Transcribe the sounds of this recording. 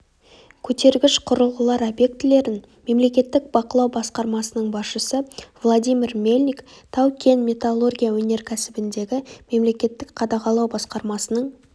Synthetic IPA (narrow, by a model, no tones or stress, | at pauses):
kʲʰɵt̪e̞ɾɡʲɪʃqʰʊɾəlˠʁəlˠɑɾabje̞k̚t̪ɪle̞ɾɪn | me̞mle̞kʲe̞t̪ːɪk̚b̥ɑqəlˠɑwbɑsqɑɾmɑsənəɴbɑsʃəsəvlˠod̪ijmʲirmʲe̞lʲnʲikt̪ʰɑwkʲʰe̞nmʲet̪alˠo̞rɡʲijawɵne̞ɾkʲʰæsɪbɪnd̪e̞ɡʲɪme̞mle̞kʲe̞t̪ːɪkqʰɑd̪ɑqɑlˠɑwbɑsqɑɾmɑsənəɴ